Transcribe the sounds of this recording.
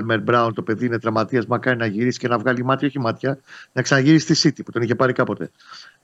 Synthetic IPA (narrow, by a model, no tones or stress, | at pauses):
lmeɾbɾɐunt̪o̞pe̞ðiine̞t̪ɾɐmɐt̪iɐzmɐkɐɾinɐʝiɾisi̥ce̞nɐvɣɐlimɐt̪io̞çimɐt̪çɐnɐksɐnɐʝiɾisi̥t̪isit̪ipu̥t̪o̞niçe̞pɐɾikɐpo̞t̪e̞̰